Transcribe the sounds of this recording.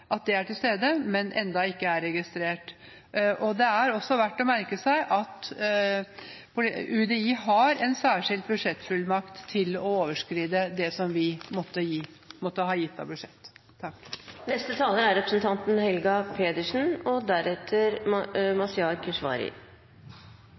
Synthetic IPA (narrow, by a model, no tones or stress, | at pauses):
ʔɑt̪̚d̪ɛæʈɪlst̪eːd̪əmɛnʔɛ̰nd̪ɑɪkːəæɾːɛɡɪst̪ɾeːʈ | ʔɔd̪ɛæɾɔsːɔʋæʈːɔmæɾkəsæɪʔɑt̪ | pʰʊʉd̪ɛiːɦɑɾɛnsæːʂɪld̪̚bʉd̪ʂɛt̪ːfʉlːmɑkt̪ʰːɪlɔoːʋəʂkɾiːd̪əd̪ɛsɔmʋɪmɔt̪ːəjiː | mɔt̪ːəɦɑːjɪt̪ːɑ̰bʉʂɛt̪ːʰ | ɑkːnɛst̪ət̪ʰɑːləɾæɾɛpɾəsn̩t̪ʰɑnt̪nhɛlɡɑpʰeːd̪əʂn̩ɔd̪æɾɛt̪ʰəɾmɑsɪɑːɾkʰəʂʋɑ̰ːɾɪ̰